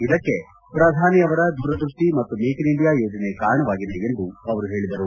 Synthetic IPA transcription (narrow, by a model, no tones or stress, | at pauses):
id̪ɐkːe̞ | pɾɐd̪ʱaːniɐʋɐɾɐd̪ʱuːɾɐd̪ɾuʂʈimɐt̪ːumeːkiniɳɖijaːjoːd͡ʒɐnekaːɾɐɳɐʋaːɡid̪e̞end̪uɐʋɐɾuɦe̞ːɭid̪ɐɾu